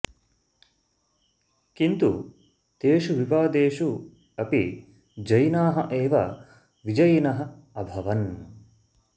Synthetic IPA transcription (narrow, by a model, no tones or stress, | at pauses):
kint̪u | t̪eːʃuʋipaːd̪eːʃu | ɐpi | d͡ʒɐjnaːɦɐʔeːʋɐ̰ | ʋid͡ʒɐjɐnɐɦɐ̆ | ɐbʱɐʋɐn